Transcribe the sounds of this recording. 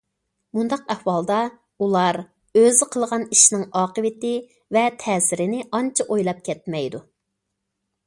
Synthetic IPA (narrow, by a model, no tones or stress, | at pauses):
mund̪ɑqɛhwɑlˠd̪ɑ | ulˠɑɾ | øzɪqʰəlˠʁɑniʃnɪŋɑːqəwɪt̪ɪ | vɛt̪ʰɛːsɪɾɪnɪɑnt͡ʃʰɑʔojlˠɑp̚kʲʰɛt̪̚mɛjd̪u